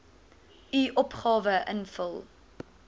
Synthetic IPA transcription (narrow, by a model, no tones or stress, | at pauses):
iʔɔpχɑːvəʔənfəlˠ